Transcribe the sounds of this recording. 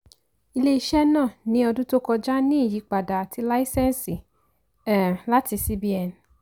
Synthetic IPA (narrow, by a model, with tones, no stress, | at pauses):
i˧le˦i˧ʃɛ˦nãː˦˨nĩ˦ɔ˧dũ˦to˦kɔ˧d͡ʒa˦nĩ˦i˦˨ji˨˧˦k͡pa˨da˨ti˨˧˦la˦i˦sɛ̃˦nsi˨ | ɛ˦˨la˦ti˧si˧bi˦ɛ˨n